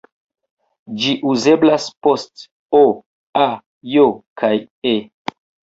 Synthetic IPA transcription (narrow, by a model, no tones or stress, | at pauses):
d͡ʒiʔuze̞blaspo̞st | o | a | jokʰaj | e